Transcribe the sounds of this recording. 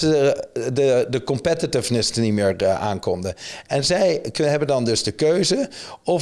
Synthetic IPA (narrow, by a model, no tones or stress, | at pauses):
dədəkɔmpɛtitɪvnəsnitmɪːɹʔa̰ːnkɔmdəɛnzɛjɦɛbəndɑndɵzdəkøɥzəɔ